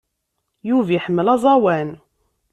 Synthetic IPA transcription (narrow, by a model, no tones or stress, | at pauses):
juvjəħəmːəlɑzˤɑwæn